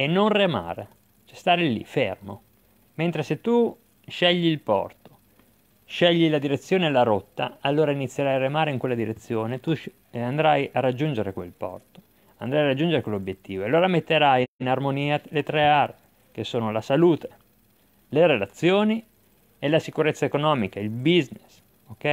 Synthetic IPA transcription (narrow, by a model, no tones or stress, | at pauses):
enːonrema̰ːɾḛ | t͡ʃɛst̪aːɾelḭfḛrmo̰ | ment̪ɾeset̪ːu | ʃɛʎːilpɔ̰rt̪o̥ | ʃɛʎːilad̪iɾet̪sːjoːnelaɾot̪ːaalːoːɾainit̪sːjeɾajaremaːɾeiŋkwelːad̪iɾet̪sːjoːnet̪u | and̪ɾajarːad͡ʒːund͡ʒeɾekwḛlpɔ̰rt̪o̥ | and̪ɾajarad͡ʒːund͡ʒeɾekwelːobjet̪ːiːvoealːoːɾamet̪ːeɾajnarmoniːalet̪ɾɛaːɾe | kesːoːnolasaluːt̪e̥ | leɾelat̪sːjoːni | elasikuɾet̪sːaekonɔːmikailbiznes | okːɛj